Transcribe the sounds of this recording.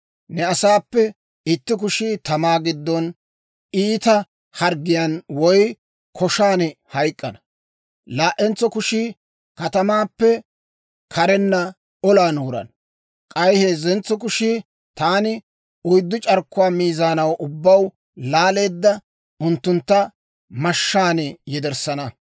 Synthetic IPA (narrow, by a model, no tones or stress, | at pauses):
nɛɐsaːpːɛ | ɪt̪ːɪk̬ʊʃit̪ɐmaːɡɪd̪ːɔn | iːt̪ɐ | hɐɾɡɪjɐnwɔj | kʰɔʃaːnhɐjkʼːɐnɐ | laːʔɛnt͡sɔkʊʃiː | kɐt̪ɐmaːpːɛ | kʰɐɾɛnːɐ | ɔlaːnuːɾɐ̰n | kʼɐjheːzɛnt͡sːɔk̬ʊʃi | t̪aːnɪ | ʊjd̪ːʊt͡ʃʼɐɾkːʊwaːmiːzaːnɐwʔʊbːɐw | laːle̞ːd̪ːɐ | ʔʊnt̪ːʊnt̪ːɐ | mɐʃːaːnɛjɛd̪ɛɾsɐnɐ